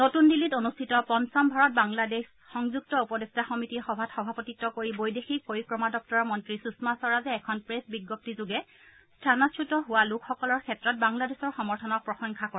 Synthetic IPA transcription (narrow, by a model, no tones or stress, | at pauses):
notundilitonustʰitɔpɔnsɔmbʱaɹɔt̚baŋlades | xɔŋzuɡ̚tɔupɔdestaxɔmitixɔbʱatxɔbʱapɔtitːɔkoɹibojdexik̚poɹikɹɔmadɔk̚tɔɹɔmɔntɹisusmasɔɹazɛːkʰɔnpɹesbiɡːɔp̚tizʊɡɛ | stʰanɔsʰutɔɦʊwalukʰxɔkɔlɔɹkʰɛtɹɔt̚baŋladesɔɹxɔmɔɹtʰɔnɔk̚pɹɔsɔŋkʰakɔ